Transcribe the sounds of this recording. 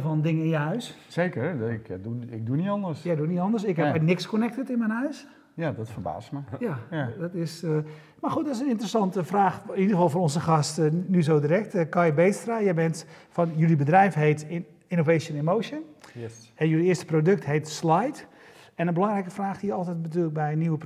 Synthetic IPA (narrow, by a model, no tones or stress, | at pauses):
fɔndɪŋəɪnjəhœɥsseːkərɪkduɪk̚dunitɑndərsjɛjdunitɔndərsɪkɦɛpɛnɪkskonɛk̚tətɪnmɛjnɦœɥs | jdɔtfərba̰ːsməjadɔtɪs | maxutdɔtɪsənɪntrəsɑntəfraːxɪnidəɾəfɑlˠfɔnɔnzəxɑstnyzowdiɾɛk̚tkɔjəbeːtstrajɛjbɛntfɔnjylibədrɛjfɦejt | ɪnovejsənemowʃjən | ɛjyliɪəstə̥prodɵk̚thejtslajt | ɛnənbəlɑŋrɛjkəfraːxdiːəɔlˠtɛjt̚bətyːlək̚bɛjniwəp